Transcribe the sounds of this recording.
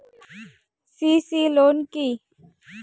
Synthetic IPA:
siːsiːloːnkiː

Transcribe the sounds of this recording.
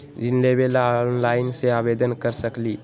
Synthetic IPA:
ɾɪnlebelanlaːɪnseaːbed̪ənkəɾsəkliː

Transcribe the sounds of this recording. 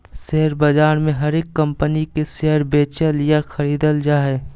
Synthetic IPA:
seɦəɾbɐd͡ʒaːɾmẽɦɐɾeːkːɐ̃mpənikeseɦəɾbeːt͡ʃəljaxʰəɾiːd̪əld͡ʒaːɦɛ

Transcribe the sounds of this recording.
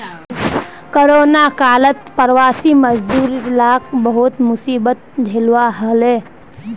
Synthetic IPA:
koɾoːnakaːlət̪pəɾʋaːsiməd͡ʒd̪uːɾlaːk̚bəɦʊt̪mʊsiːbət̪̚d͡ʒʱelwaɦəleː

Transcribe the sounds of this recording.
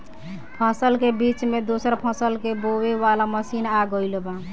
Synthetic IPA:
pʰãsəlkebit͡ʃmed̪osəɾpʰãsəlkeboweʋalaməsinaɡəlba

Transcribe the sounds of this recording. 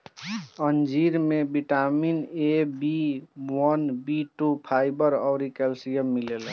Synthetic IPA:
ənd͡ʒiɾmebiʈaminebiwənbiʈupʰaibəɾɔʊɾikɛlsijəmːilel

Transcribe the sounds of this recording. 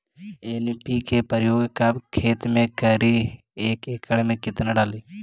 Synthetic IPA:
enpikepəɾjoːɡkabkʰeːt̪mẽkəɾi | eːkeːkəɽmẽkɪt̪naɖaːliː

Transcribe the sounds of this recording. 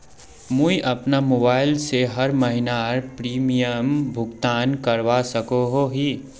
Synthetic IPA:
mũiʔɐpnamoːbaːɪlseɦəɾməɦɪnaɾpɾiːmijəmbʱʊɡt̪aːnkəɾʋasəkoɦoɦi

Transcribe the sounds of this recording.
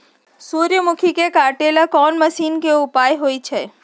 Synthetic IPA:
suɾjəmukʰikekaʈelakɔnməʃinkeupajɦojt͡ʃʰe

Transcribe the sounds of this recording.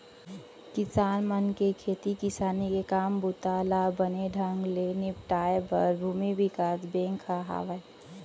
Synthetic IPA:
kɪsaːnmənkekʰeːt̪ikɪsaːnikekaːmbut̪alabəneɖʱəŋɡlenɪpʈaːebəɾbʱuːmibikaːsbẽŋkʰaɦa̰ːʋəe

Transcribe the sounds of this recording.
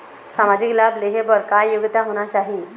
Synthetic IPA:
samad͡ʑiklableɦebəɾkajjuɡt̪aɦoñat͡ɕaɦi

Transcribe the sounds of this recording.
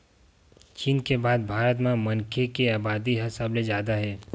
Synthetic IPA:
t͡ʃiːnkebaːd̪̚bʱaːɾət̪̬mẽmɐnkʰekeaːbaːd̪iɦɐsabled͡ʒjaːd̪aɦɛː

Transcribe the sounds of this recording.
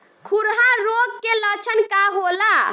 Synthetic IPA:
kʰuɾɦaɾoɡ̚kelət͡ʃʰənkaɦola

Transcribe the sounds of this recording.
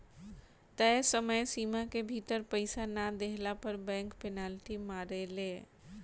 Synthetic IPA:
t̪əsəməjsimakebʱit̪əɾpəɪsanad̪eɦlapəɾbɛ̃ːŋkpenalʈimaɾele

